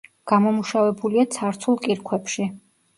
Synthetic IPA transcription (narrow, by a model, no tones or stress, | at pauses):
ɡ̥amɔmuʃavɛbuliat̪sʰaɾt̪sʰulˠkʼiɾkʰwɛpʃi